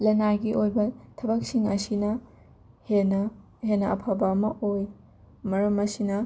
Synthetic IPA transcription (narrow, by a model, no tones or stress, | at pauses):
lɐjnaɡiʔojbɐtʰɐbɐk̚siŋɐsinɐ | henɐ | henːɐɐpʰabɐɐmɐʔoj | mɐɾɐmɐsinɐ